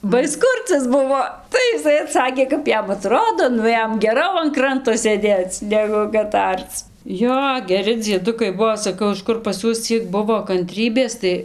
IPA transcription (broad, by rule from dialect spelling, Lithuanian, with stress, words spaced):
bɐ ˈɪs ˈkʊrʲt͡sʲɛs ˈbʊʋoː ˈtɐɪ ɪˈsɐɪ ɐˈtsɑːkʲeː kɐp ˈjɛm ɐˈtroːdoː ˈnʊ ˈjɛm ɡʲɛˈrɐʊ ɐn ˈkrɐntoː sʲeːˈdʲeːt͡s ˈnʲæːɡʊ kɐt ˈɐrt͡s ˈjoː ɡʲɛˈrʲɪ d͡zʲiɛˈdʊkɐɪ ˈbuɔ sɐˈkɐʊ ɪʃ ˈkʊr pɐs ˈjuɔs ˈt͡sʲiɛk ˈbʊʋoː kɐnʲˈtʲrʲiːbʲeːs tɐɪ